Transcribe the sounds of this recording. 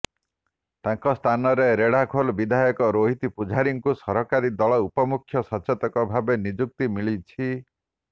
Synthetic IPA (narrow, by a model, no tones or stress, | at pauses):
t̪aŋkɔst̪ʰanɔɾeɾeɽakʰolbid̪ʱajɔkɔɾoɦit̪ipud͡ʒʱaɾiŋkusɔɾɔkaɾid̪ɔɭɔupɔmukʰːjɔsɔt͡ʃʰɔt̪ɔkɔbʱabenid͡ʒuk̚t̪imiɭit͡ʃʰi